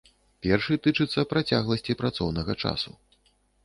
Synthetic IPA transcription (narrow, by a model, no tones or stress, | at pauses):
pʲɛrʂɨt̪ɨt͡ʂɨt̪sːɐpɾat͡sʲaɣlˠɐsʲt͡sʲipɾat̪sɔwnɐɣɐt͡ʂa̰su